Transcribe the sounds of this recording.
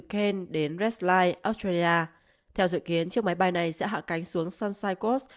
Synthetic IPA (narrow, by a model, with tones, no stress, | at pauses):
ke˧nɗe˨˦nzɛ˦˥slaː˧jʔɔ˦˥st̪ɹe˧li˧ʔaː˧ | t̪ʰɛ˧wzɨ̰˧˨ki˨˦ənt͡ɕɨ˦˥ək̚ma˨˦jɓa˧jna˨˩jsɛ̰˧˥ɦa̰ː˧˨ka˨˦jŋ̟su˨˦əŋsa˧nsaː˧jko˦˥s